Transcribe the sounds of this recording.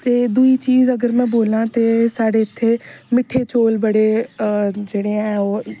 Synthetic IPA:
t̪eːd̪uiːt͡ʃiːzəɡəɾmɛ̃ːboːlãːt̪eːsaːɖeːɪt̪ʰːeːmɪʈʰːeːt͡ʃoːlbəɽeː | d͡ʒeːɽeːɛ̃ːoː

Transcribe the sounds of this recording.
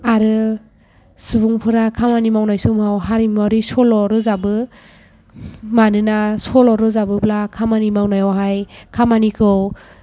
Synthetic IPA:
aɾɯ | sɯbuŋpʰɯɾakʰamanimawnajsɯmawɦaɾimaɾisɔlɔɾɯzabɯ | manɯnasɔlɔɾɯzabɯplakʰamanimawnajɔwɦajkʰamanikʰɯw

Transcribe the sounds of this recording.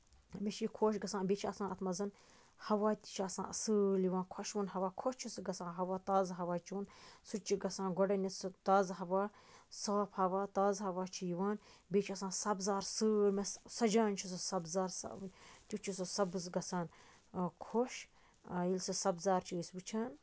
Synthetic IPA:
meʃikʰoːʃ̬ɡɐsãːnbeːt͡ʃʰiɐsãːnɐt̪ʰmɐzɐn | hɐʋaːt̪ʲi̥t͡ʃʰiɐsã̰ːɐsɨljiʋaːnkʰɐʃunɦɐʋaːkʰoʃt͡ʃʰisɨɡɐsãːɦɐʋaːt̪aːzɦɐʋaːt͡ʃunsut͡ʃiɡɐsãːnɡɔɖɐnist̪aːzɦɐʋaː | saːpʰhɐʋaːt̪aːzɦɐʋaːt͡ʃʰijiwaːnbeːt͡ʃʰiɐsãːnsɐbzaːɾsɨːɾmesɐd͡ʒaːnt͡ʃʰisɨsɐbzaːɾsɐ̰t̪ʲut͡ʃʰisɨsɐbɨsɡɐsaːn | kʰoʃ | ilʲsɨsɐbzaːɾt͡ʃʰiisbɨt͡ʃʰaːn

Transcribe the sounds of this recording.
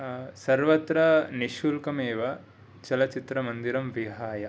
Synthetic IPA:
sɐɾʋɐt̪ɾɐniʃulkɐmeːʋɐ | t͡ʃɐlɐt͡ʃit̪ɾɐmɐnd̪iɾɐmʋiɦaːjɐ

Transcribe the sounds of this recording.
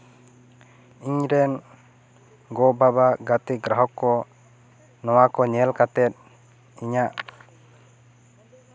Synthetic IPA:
iɲɾɛn | ɡɔbabaɡat̪iɡɾaɦɔkːɔ | nɔwakɔɲɛlkat̪ɛt̪̚ | iɲaʔ

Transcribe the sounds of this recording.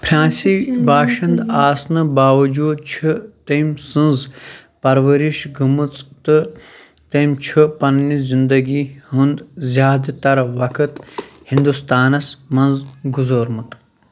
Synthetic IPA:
pʰɾʲãːnsibaːʃɐnd̪aːsnɨbaːʋɐd͡ʒuːd̪̚t͡ʃʰit̪ɐmsɨnzpɐɾʋɐɾiʃɡʱɐmɨt͡st̪ɨ | t̪ɐmt͡ʃʰɨpɐnnizind̪ɐɡihund̪zʲjaːd̪t̪ɐɾʋɐkʰɨt̪hĩnd̪ust̪aːnɐsmɐnzɡuzoːɾmɨt̪

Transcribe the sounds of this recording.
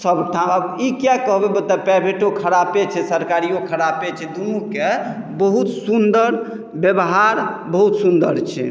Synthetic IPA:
səbʈʰãəbikjakəɦbebət̪ləbpɛbʱeʈokʰəɾapet͡ʃʰɛsəɾkaɾijokʰəɾapet͡ʃʰɛd̪umuke | bəɦut̪sund̪əɾ | bjəbɦaɾbəɦut̪sund̪əɾt͡ʃʰɛ̰

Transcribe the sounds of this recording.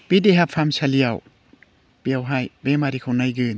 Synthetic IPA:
b̥ideɦapʰːamsʰaliaw | b̥iawɦajbemaɾikʰawnajɡɯn

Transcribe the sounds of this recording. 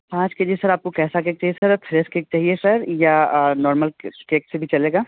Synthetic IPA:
pãːt͡ʃked͡ʒisɐɾaːp̚kokɛːsak̬eːk̚t͡ʃaːɦiesəɾfʰɾeskek̚t͡ʃaːɦiesɐɾjanɔːɾməlkeːksebʱit͡ʃɐleːɡaː

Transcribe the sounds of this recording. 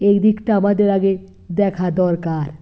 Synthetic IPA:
ejd̪ikʈaamad̪eɾaɡe | d̪ɛkʰad̪ɔɾkaɾ

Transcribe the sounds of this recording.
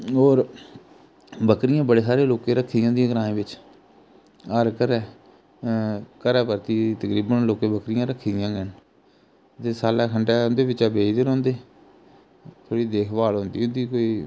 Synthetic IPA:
ɦoːɾ | bəkɾɪjãːbəɽeːsaːɾeːloːkẽːɾəkʰːd̪jãːd̪ijãːɡəɾãːẽːbɪt͡ʃ | əɾkəɾɛː | kəɾɛːpəɾt̪iːt̪əkɾiːbənloːkẽːbəkɾɪjãːɾəkʰːd̪ɪjãːɡəɳ | t̪eːsaːlɛːkʰəɳɖɛːnd̪eːbɪt͡ʃaːbeːd̪eːɾɦõːnd̪eː | t̪ʰoːɽiːd̪eːkʰbaːlɦõːnd̪iːʊnd̪iːkoːiː

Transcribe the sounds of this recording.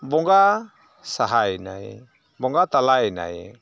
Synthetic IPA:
bɔŋɡa | saɦaina̰i | bɔŋɡat̪alaina̰i

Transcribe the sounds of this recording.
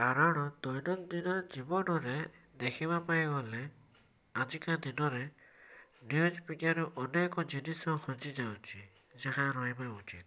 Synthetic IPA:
kaɾaɽ̃ɔd̪ɔjnɔnd̪inɔɾd͡ʒibɔnɔɾe | d̪ekʰiβapajbɔle | ad͡ʒikad̪inɔɾe | njud͡ʒpiʈjaɾuʔɔnekɔd͡ʒinisɔkʰɔd͡ʒid͡ʒawt͡ʃʰi | d͡ʒaɦaɾɔɦebaut͡ʃḭt̪̚

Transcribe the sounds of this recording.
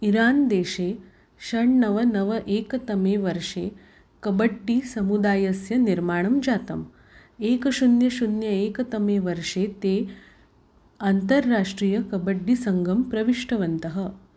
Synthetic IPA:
iɾaːnd̪eːʃeː | ʃɐɳnɐʋɐnɐʋɐʔeːkɐt̪ɐmeːʋɐɾʂḛː | kɐbɐɖːisɐmud̪aːjɐsjɐniɾmaːɳ̃ɐmd͡ʒaːt̪ɐm | eːkɐʃunjɐʃunjɐeːkɐt̪ɐmeːʋɐɾʂeːt̪eː | ant̪ɐɾːaːʂʈɾiːjɐkɐbɐɖːisɐŋɡʱɐmpɾɐʋiʂʈɐʋɐnt̪ɐɦɐ

